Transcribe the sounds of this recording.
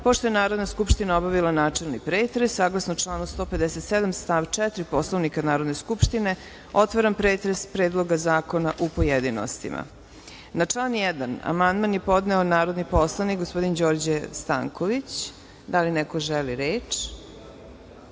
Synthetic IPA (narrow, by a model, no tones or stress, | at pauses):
poʃt̪o̞jenaːɾo̞d̪naskupʃt̪inaobaʋilˠanaːt͡ʂelˠnipɾeːt̪ɾesːaːɡlˠasnot͡ʂlˠaːnust̪o̞ːpe̞d̪ɛset̪sed̪amst̪aʋt͡ʂɛt̪ɾipo̞slˠoʋnikanaːɾod̪ne̞skupʃt̪ine̞ | o̞t̪ʋaɾampɾeːt̪ɾespɾeːd̪lˠo̞ɡazaːko̞naʔupojed̪ino̰st̪ḭmʔa̰ | nat͡ʂlˠaːnjɛd̪ana̰mand̪manjepo̞d̪neonaːɾo̞d̪nipo̞slˠanik̚ɡospo̞d̪ind͡ʑo̞ːɾd͡ʑest̪a̰ːŋkʰoʋit͡ɕ | d̪alinɛko̞ʒɛliɾeːt͡ʂ